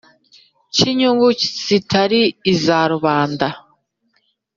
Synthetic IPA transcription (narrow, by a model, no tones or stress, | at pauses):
ciɲuŋɡuci̥t͡sitʰaɾiːzaɾuβaːnda